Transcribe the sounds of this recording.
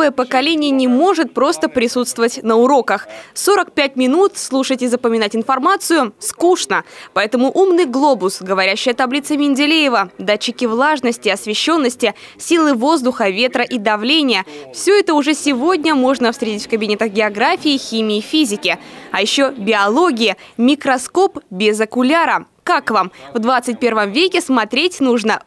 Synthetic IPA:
əjəpəkɐlʲenʲɪjənʲɪmo̞ʐɨt̪̚pɾo̞st̪əpɾʲɪsut̪st̪vəvətʲnəʊɾo̞kəxso̞ɾəkpʲætʲmʲɪnut̪slˠuʂətʲɪzəpəmʲɪnatʲɪnfɐrmat̪sɨjʊskuʂnəpɐɛt̪əmʊʔumnɨjɡlˠo̞bʊsɡəvɐɾʲæɕːɪjət̪ɐblʲit̪sɨmʲɪnʲdʲɪlʲejɪvəd̪at͡ɕːɪkʲɪvlˠaʐnəsʲtʲɪɐsvʲɪɕːo̞nːəsʲtʲɪsʲilˠɨvo̞zd̪ʊxəvʲe̞t̪ɾəʔid̪ɐvlʲenʲɪjəfsʲɵɛt̪əʊʐɛsʲɪvo̞dʲnʲəmo̞ʐnəfst̪ɾʲetʲɪtʲfkəbʲɪnʲet̪əxɡʲɪɐɡɾafʲiːxʲimʲɪːfʲizʲɪkʲɪɐjɪɕːobʲɪɐlˠo̞ɡʲɪjəmʲɪkɾɐsko̞pbʲɪzəkʊlʲaɾə | kakvamvd̪vat̪sɨt̚ʲpʲe̞rvəmvʲekʲɪsmɐt̪ɾʲetʲnuʐnə

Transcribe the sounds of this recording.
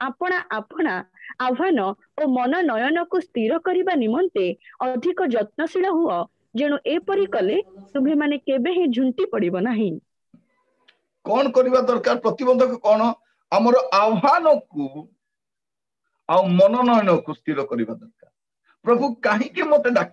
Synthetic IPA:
apɔɽ̃aʔapɔɽ̃aabɦanɔ | omɔnɔnɔjɔnɔkust̪iɾɔkɔɾibanimɔnt̪eɔd̪ʱikɔd͡ʒɔt̪̚nɔsiɭɔɦuɔ | d͡ʒẽũʔepɔɾikɔlet̪umbʱemanekebeɦẽd͡ʒʱuɳʈipɔɽibɔnaɦĩ | kɔɽ̃ɔkɔɾibad̪ɔɾkaɾpɾɔt̪ibɔnd̪ʱɔkukɔɽ̃ɔ | amɔɾɔʔawɦanɔku | awmɔnɔnɔjɔnɔkust̪iɾɔkɔɾibad̪ɔɾkaɾ | pɾɔbʱukaɦĩkimot̪eɖak

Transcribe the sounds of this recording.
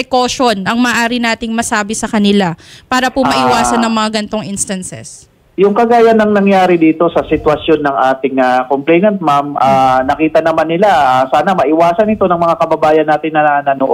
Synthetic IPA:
pɛkoʃo̞nʔɐŋmɐʔːʔaːɾɪnaːt̪ɪŋmɐsaːbɪsɐkɐnɪlapaːɾɐpʊmɐʔɪwaːsɐnːɐŋmɐŋaɡɐnt̪oŋʔinst̪ɐnsɛ̰s | jʊŋkɐɡaːjɐnːɐŋnɐŋjaːɾɪd̪iːt̪o̞sɐsɪt̪wɐsjo̞nːɐŋʔaːt̪ɪŋakomplɛjnɐnt̪̚mamʔaːnɐkiːt̪ɐnɐmanːɪlaasaːnɐmɐʔɪwaːsɐnɪt̪o̞nɐŋmɐŋakɐbɐbaːjɐnːaːt̪ɪnːɐnɐnoʔ

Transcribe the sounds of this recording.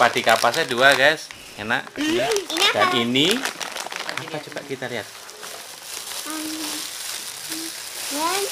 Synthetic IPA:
pad̥i̤kapasɛduaɡajs | ana̰ʔ | d̥anini | apat͡ʃupa̰ʔ̪̚kit̪aɾiat̪̚ | ja

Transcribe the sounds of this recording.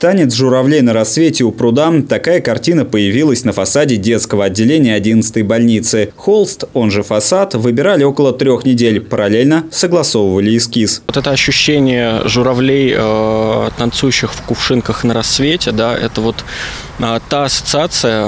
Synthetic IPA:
t̪anʲɪt̪sʐʊɾɐvlʲejnəɾɐsːvʲetʲɪʊpɾʊd̪amt̪ɐkajəkɐrtʲinəpəjɪvʲilˠəsʲnəfɐsadʲɪdʲe̞t̪skəvəɐdʲːɪlʲenʲɪjəɐdʲinət̪sɨ̥t̪əjbɐlʲnʲit̪sɨxolˠst̪o̞nʐɨfɐsat̪vɨbʲɪɾalʲɪo̞kəlˠət̪ɾʲo̞xnʲɪdʲelʲpəɾɐlʲelʲnəsəɡlˠɐso̞vəvəlʲɪːskʲist̪ɛt̪əɐɕːʊɕːenʲɪjəʐʊɾɐvlʲejət̪ɐnt̪sujʉɕːɪxfkʊʂɨnkəxnəɾɐsːvʲetʲɪd̪aɛ̰t̪əvo̞t̪ | at̪ːaɐsə̥t̪sɨat̪sɨjə

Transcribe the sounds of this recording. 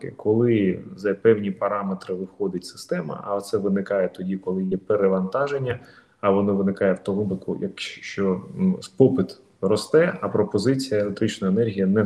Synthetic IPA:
kɪ̰kɔlˠɪzɐpɛwnʲipɐɾɑmet̪ɾɪʋɪwxɔd̪ʲɐtʲsɪ̥st̪ɛmɐ̰ʔɐt̪sɛʋɪnɪkɑjɛt̪ɔdʲikɔlˠɪjɛpeɾeʋɐnt̪ɑʒenʲːɐ | ɐʋɔnɔʋɪnɪkɑjɛwt̪ɔɦʊbɪkʊ̰jɐ̰kʃʃt͡ʃɔspɔpɪt̪ | rɔst̪ɛɐpɾɔpɔzɪt͡sʲijɐelˠek̚t̪ɾɪt͡ʃnɔjenɛrɦʲijɐnɛ

